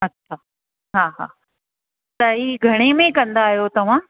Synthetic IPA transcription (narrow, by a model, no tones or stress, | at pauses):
ɐtʰa | ɦaːɦa̰ː | t̪ɐɦiːɡʱɐɽ̃emẽkɐ̃nd̪aːɦijot̪ɐʋ̤ã